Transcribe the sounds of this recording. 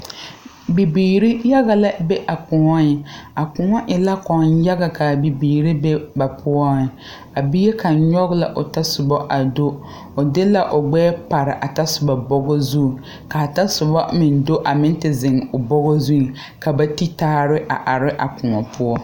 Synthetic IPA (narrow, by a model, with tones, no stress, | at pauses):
bi˨biː˨ɾi˦ja˦ɣa˨la˦be˦ʔa˨kʊ˨ŋɔ˦ɪ˨a˨kʊ˨ŋɔ˦ʔɪ˨la˦kɔ˨n˦ja˦ɣa˨kʰa˨bi˨biː˨ɾi˦be˦ba˨pʰʊ˦ɔ˦˨ | a˨bi˦je˦kʰa˨ɲɔ˦ɣla̰˨ʔʊ˨ta˦sʊ˨bɔ˦ʔa˨do˦ | ʊ˨dɪ˦la˦ʔʊ˨ɡ͡bɛː˦pa˨ɾɪ˨ʔa˨ta˦sʊ˨ba˨bɔ˦ɡɔ˦zu˦˨ | ka˨ta˦sʊ˨bɔ˦mɪ˨n˦do˦ʔa˨mɪ˦n˦tɪ˨zɪ˨ŋʊ˨bɔ˦ɣɔ˦zu˦ŋ˨ | ka˨ba˦ti˦taː˦ɾɪ˦ʔa̰˨ʔa˨ɾɪ˦ʔa˨kʊ˨ŋɔ˨pʰʊ˦ɔ˦